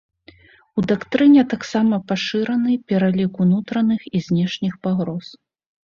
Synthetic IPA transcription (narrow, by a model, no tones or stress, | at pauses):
ud̪akt̪ɾɨnʲɛt̪aksamɐpaʂɨɾɐnɨpʲɛɾalʲikunut̪ɾɐnɨxizʲnʲɛʂnʲixpaɣɾɔs